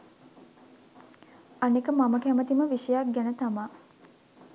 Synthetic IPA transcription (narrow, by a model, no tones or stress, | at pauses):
anekəmaməkæmət̪iməʋiʂəjak̚ɡænət̪ama